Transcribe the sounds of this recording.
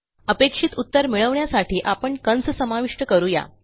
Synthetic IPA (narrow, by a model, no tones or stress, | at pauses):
əpekʂit̪ut̪ːəɾmiɭəʋɳjasaʈiːʔapəɳkənssəmaʋiʂʈəkəɾuja̰